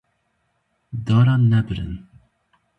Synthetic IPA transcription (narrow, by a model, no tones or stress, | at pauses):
d̪ɑɾanɛbɾə̰n